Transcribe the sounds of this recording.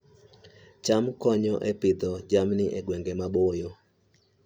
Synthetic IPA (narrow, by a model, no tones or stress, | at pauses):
t͡ʃamkɔɲɔʔepɪd̪ɔd͡ʒamnɪʔeɡwɛŋɡemabojo